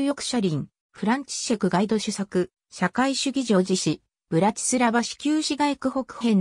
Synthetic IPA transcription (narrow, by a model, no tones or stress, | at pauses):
jokɯ̟̥ɕaɾʲĩŋ | ɸɯ̟ɾãɲ̟t͡ɕi̥ɕakɯ̟ɡaid̪o̞ɕɨsakɯ̟ | ɕakaiɕɨɡʲiʑo̞ːʑiɕi | b̥ɯ̟ɾat͡ɕi̥sɨɾabaɕi̥kʲɨːɕiɡaekɯ̟ho̞kɯ̟̥hẽ̞n